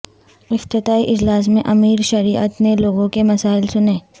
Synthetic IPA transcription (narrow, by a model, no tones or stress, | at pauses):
ɪft̪ɪt̪aːiʔɪd͡ʒlaːs̬mẽʔɐmiːɾʃɐɾiːʔə̰t̪neloːɡõkemɐsaːɪlsʊneː